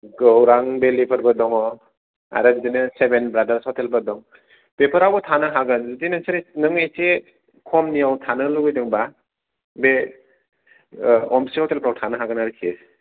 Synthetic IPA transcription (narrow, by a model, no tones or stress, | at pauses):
ɡɯwɾaŋbelipʰɐɾbɯdɔŋɔ | a̰ɾɯbdinɯsebenbɾadaɾshɔtʰelbɯdɔŋ | pepʰəɾawbɔtʰanɯɦaɡɯnzutinɯsɯɾenɯŋejse | kʰɔmnijawtʰanɯluɡɯjdɯŋba | be | ɔmsiɔtelpʰɾawtʰanɯɦaɡɯnaɾɯkʰe